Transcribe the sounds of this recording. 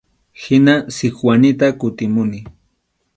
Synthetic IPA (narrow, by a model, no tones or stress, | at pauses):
hɪnasɪkwanɪt̪akʊt̪ɪmʊnɪ